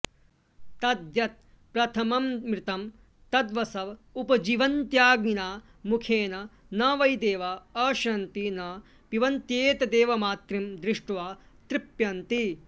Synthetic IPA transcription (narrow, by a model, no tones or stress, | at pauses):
t̪ɐd̪jɐt̪̚ | pɾɐt̪ʰɐmɐmːɾɪt̪ɐm | t̪ɐd̪ʋɐsɐʋupɐd͡ʒiːʋɐnt̪jaːɡninaː | mukʰeːnɐ | nɐːʋɐjd̪eːʋaɐːʃɐnt̪inɐ | piʋɐnt̪jeːt̪ɐd̪eːʋɐmaːt̪ɾimd̪ɾɪʂʈʋaːt̪ɾipjɐnt̪i